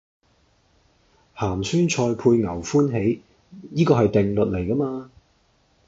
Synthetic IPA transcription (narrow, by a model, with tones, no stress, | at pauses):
haː˨˩msyː˥nt͡ʃʰɔː˧jpʰuː˧jŋɐ˨˩wfuː˥nɦe˨˥j | jiː˥kɔː˧hɐ˨jt̪ɪ˨ŋlɵ˨t̚le˨˩jkɐ˥maː˧